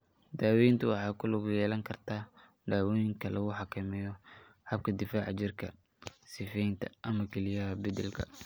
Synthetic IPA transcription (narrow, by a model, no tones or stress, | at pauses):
d̪aːwɛjnt̪ʰʊwɑħɑːkʰʊlʊɡʊjɛːlɐŋkʰɐrt̪ʰaː | d̪aːwɔːjɪŋkʰɐlɐɣʊħɑkʰɐmɛːjɔ | hɐb̚kʰɐd̪ɪfaːʕt͡ʃɪrkʰɐ | sɪfɛjnt̪ʰɐʔɐmɐkʰɛlɪjɐɦɐbɐd̪ɛlkʰɐ̰